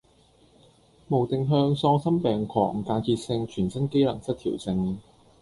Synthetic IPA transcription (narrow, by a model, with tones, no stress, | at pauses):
mo˨˩wt̪ɪ˨ŋɦœː˧ŋsɔː˧ŋsɐ˥mpɛː˨ŋkʰɔː˨˩k̚m̩˨˩kaː˧nkiː˧t̚sɪ˧ŋt͡ʃʰyː˨˩nsɐ˥nke˥jlɐ̰˨˩ŋsɐ˥t̪ʰiː˨˩wsɪ˧ŋ